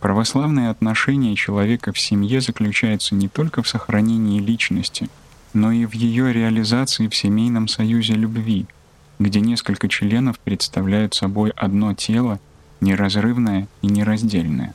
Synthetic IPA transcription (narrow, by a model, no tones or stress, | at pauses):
pɾəvɐslˠavnɨjəɐt̪nɐʂɛnʲɪjət͡ɕɪlˠɐvʲekəfsʲɪmje̞zəklʲʉt͡ɕæjʊt̪sənʲɪt̪o̞lʲkəfsəxɾɐnʲenʲɪɪlʲit͡ɕnəsʲtʲɪ | no̞ivjɪjo̞ɾʲɪɐlʲɪzat̪sɨɪfsʲɪmʲejnəmsɐjuzʲɪlʲʊbvʲi | ɡdʲenʲe̞skəlʲkət͡ɕlʲe̞nəfpɾʲɪt̪st̪ɐvlʲæjʊt̪sɐbo̞jʔɐd̪no̞tʲʰe̞lˠə | nʲɪɾɐzrɨvnəjəinʲɪɾɐzʲdʲelʲnə̰jə̰